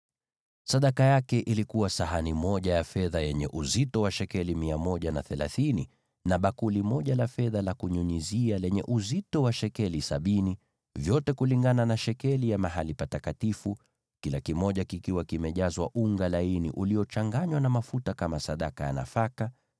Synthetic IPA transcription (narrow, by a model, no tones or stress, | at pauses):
saɗakajakɛʔilikuwasaɦanimɔʄajafɛðajɛɲɛʔuzitɔwaʃɛkɛlimiamɔʄanaθɛlaθini | naɓakulimɔʄalafɛðalakuɲuɲizialɛɲɛ̰ʔuzitɔwaʃɛkɛlisaɓini | vjɔtɛkuliŋɡananaʃɛkɛlijamaɦalipatakatifu | kilakimɔʄakikiwakimɛʄazwaʔuŋɡalainḭʔuliɔt͡ʃaŋɡaɲwanamafutakamasaɗakaja̰na̰faka